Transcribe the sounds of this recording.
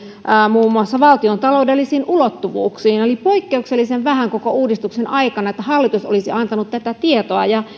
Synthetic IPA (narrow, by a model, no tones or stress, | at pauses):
muːmːuɑsːɑʋɑlt̪iont̪ɑloudelːisiːnʔulot̪ːuʋṵːksiːnolipoikːeukselːiseʋʋæhæŋkokouːdist̪uksenʔɑikɑnɑet̪ːæhɑlːit̪uso̰lisiɑnt̪ɑnut̪t̪æt̪æt̪iet̪oɑjɑ